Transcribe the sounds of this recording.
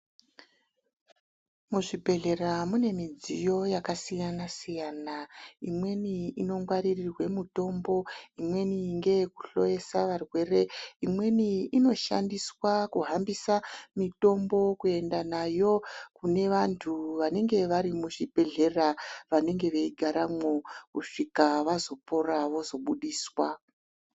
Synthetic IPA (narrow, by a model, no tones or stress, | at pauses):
muʐibʱe̞ɮe̞ramune̞mid͡zijo̞jakasijanasijanaimwe̞niino̞ŋɡwaɾirirwe̞muto̞mbo̞imwe̞niŋɡe̞kuɬo̞je̞saʋarwe̞re̞imwe̞niino̞ʃa̰ndiswakuɦambisamito̞mbo̞kue̞ndanajo̞kune̞ʋantʰuʋane̞ŋɡe̞ʋaɾimuʐibʱe̞ɮe̞raʋane̞ŋɡe̞ʋeiɡʱaɾamo̞kuʂikaʋazo̞po̞ɾaʋo̞zo̞ɓuɗiːswa